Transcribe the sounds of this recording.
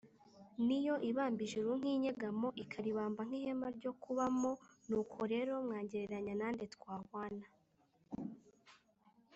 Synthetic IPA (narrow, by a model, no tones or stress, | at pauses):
nijo̞ʔiβaːmbiʒeɾuŋ̥hiːɲeɡamo̞ʔikʰaɾiβaːmbaŋ̥iːhemaɾɟo̞kuβamo̞nuːkʰo̞ɾe̞ːɾo̞mŋaːɲɟeɾeɾaɲanaːnde̞tkwaːhwaːna